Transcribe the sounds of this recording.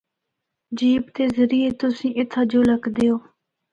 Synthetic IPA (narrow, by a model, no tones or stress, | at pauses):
d͡ʒiːpt̪eːzəɾiːeːt̪ʊsĩːʔɪt̪ʰːaːd͡ʒoːləkd̪eːoː